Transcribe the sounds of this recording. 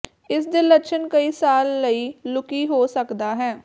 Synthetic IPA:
ɪsd̪eːləʃʰənkəiːsaːlːəiːlʊkiːɦoːsəkd̪aːɦɛː

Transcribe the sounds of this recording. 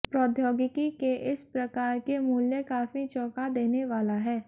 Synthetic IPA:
pɾɔːd̪ʱjoːɡɪkikeʔɪspɾɐkaːɾkemuːljəkaːfit͡ʃɔːkad̪eːneʋaːlaɦɛː

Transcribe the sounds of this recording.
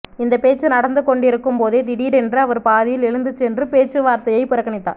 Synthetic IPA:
ɪnd̪ɐpeːt͡ʃːɯnɐɽɐnd̪ɯkɔɳɖɪɾɯkːɯmpoːðeːd̪ɪɽiːɾɛndrɯɐʋɐɾpaːðɪjɪlɛɻɯnd̪ɯt͡ʃːɛndrɯpeːt͡ʃːɯʋaːɾt̪ɐjɐɪpɪɾɐkːɐɳɪt̪ːa̰ː

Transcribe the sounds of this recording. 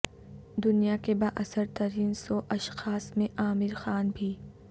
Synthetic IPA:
d̪ʊnijakebaːʔɐsəɾt̪əɾiːnsoʔɐʃxaːsmẽʔaːmɪɾxaːnbʱiː

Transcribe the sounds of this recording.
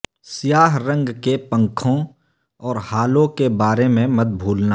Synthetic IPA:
sɪjaːɦɾə̃ŋɡkepə̃ŋkʰõ | ɔːɾhaːlõkebaːɾemẽmɐt̪̚bʱuːlna

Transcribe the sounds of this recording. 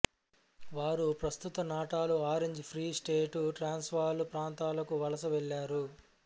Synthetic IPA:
ʋaːɾupɾɐst̪ut̪ɐnaːʈaːluaːɾeɲd͡ʒipʰɾiːsʈeːʈuʈɾaːnsʋaːlupɾaːnt̪aːlɐkuʋɐlɐsɐʋɛɭːaːɾu

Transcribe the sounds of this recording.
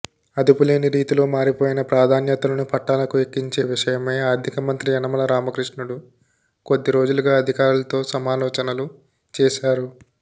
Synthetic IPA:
ɐd̪upule̞ːniɾiːt̪ilo̞ːmaːɾipoːjinɐpɾaːd̪ʱaːnjɐt̪ɐlɐnupʰɐʈːaːlɐkuekːiɲt͡ʃe̞ːʋiʂɐjɐme̞ːaːɾd̪ʱikɐmɐnt̪ɾiɐnɐmɐlɐɾaːmɐkɾiʂɳuɽu | ko̞d̪ːiɾo̞ːd͡ʒuluɡaːɐd̪ʱikaːɾulɐt̪o̞ːsɐmaːlɔːt͡ʃɐnɐlu | t͡ʃɛːʃaːɾu

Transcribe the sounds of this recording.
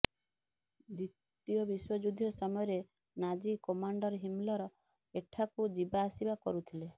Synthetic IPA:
d̪ɾit̪ | ijɔbiswɔd͡ʒud̪ʱːjɔsɔmɔjɔɾe | nad͡ʒikɔmaɳɖɔɾɦimlɔɾɔ | eʈʰakud͡ʒibaːsibakɔɾut̪ʰile

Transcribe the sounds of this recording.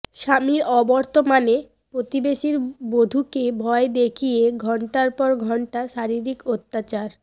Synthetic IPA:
ʃamiɾɔbɔɾt̪omane | pɾot̪ibeʃiɾbod̪ʱukebʱɔed̪ekʰijeɡʱɔɳʈaɾpɔɾɡʱɔɳʈaʃaɾiɾikot̪ːat͡ɕaɾ

